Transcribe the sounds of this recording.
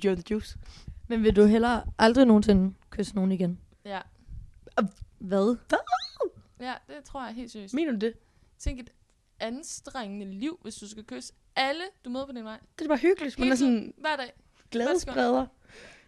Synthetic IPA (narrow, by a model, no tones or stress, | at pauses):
d̥jɔðə̥jṵːsmenʋe̝duɦel̰ɐʔɑ̈ld̥ʁino̝ːn̩se̝nkʰøsno̝ːn̩iɡ̥en | jæ | ʋæðˠ | jæd̥e̝t͡sʰʁo̝ɐ̰jɑɦe̝̰ːlsyɡime̝ːnɐd̥ud̥e̝ | t͡sʰeŋɡ̥ed̥ | ænsd̥ʁeŋənəliʊ̰ʋe̝sd̥usɡ̥ækʰø̰ːs | æləd̥umøːðˠpʰɒ̽dinʋɑ̈ɪ̰d̥ebɑ̈ːɦyɡ̥əlid̥mænæɐsɔnʋæɐ̰d̥ɛ̰ː | ɡ̥lɛːəslɛːðˠɐ